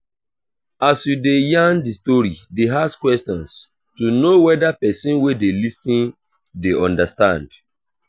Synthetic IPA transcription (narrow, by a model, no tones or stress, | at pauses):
asjudejãndistɔɹideaskwɛstɔ̃ns | tunowɛdapɛsĩnwedelistĩn | deɔ̃ndastãnd